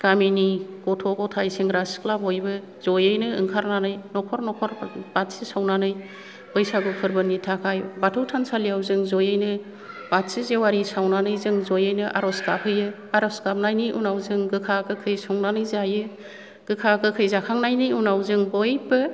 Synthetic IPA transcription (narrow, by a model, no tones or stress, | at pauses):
ɡ̥aminiɡ̥ɔtʰɔɡɔtʰajseŋɡɾasi̥klabɔjbɯ | zɔjɯjnɯɯŋkʰaɾnanɯjnɔkʰɔɾnɔkʰɔɾb̥at̚sisawnanɯj | bɯjsaɡupʰɯɾbɯnitʰakʰajbatʰɯwtʰansalijawzɯŋzɔjɯjnɯ | bat̚sizewaɾisawnanɯjzɯŋzɔjɯjnɯʔa̰ɾɔsɡapʰɯjɯ | aɾɔskap̚najniʔunawzɯŋɡɯkʰakɯkʰɯjsɔŋnanɯjzajɯ | ɡ̥ɯkʰakʰɯkʰɯjzakʰaŋnajnijunawzɯŋbɔjbɯ